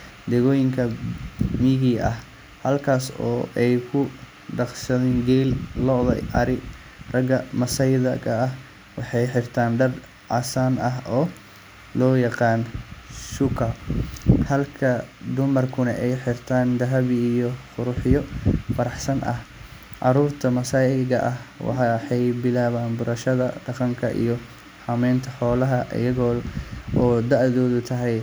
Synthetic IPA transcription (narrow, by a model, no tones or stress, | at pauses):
d̪ɛɣɔːjɪŋkʰɐ | miːɣiːɐh | hɐlkʰaːsɔ̰ːʔɛjkʰʊ | ɖɑqsɐðiːnɡɛːllɔðɐ̰ʔɐɾɪ | rɐɡɐmɐsɐjðɐkʰɐːh | wɑħɑjħɪrt̪ʰaːnɖɐr | ʕɑ̰saːnɐɦɔː | lɔːjɑqɑːnʃʊkʰɐ | hɐlkʰɐd̪ʊmɐrkʰʊnɐ̰ʔɛjħɪrt̪ʰaːnd̪ɐɦɐβːjɔqʊɾʊħɪjɔfɐɾɑħsɐnʔɐ̰hʕɑɾuːrt̪ʰɐmɐsaːɪɣɐʔɐhwɑ̰ħɑħɑjbɪlaːβaːnbʊɾɐʃɐðɐɖɑqɑŋkʰɐʔḭjɔ | hɐmɛːnt̪ʰɐħɔːlɐɦɐʔɪ̰jɐɣɔːɔːd̪ɐʕðɔːðʊt̪ʰɐɦɛj